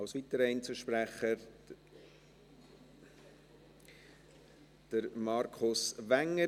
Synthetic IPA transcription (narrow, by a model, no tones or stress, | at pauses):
ɑʊsʋitəɾəɪnt͡suʃpɾæχə | d̥əɾmɑɾkʰʊsʋæŋːə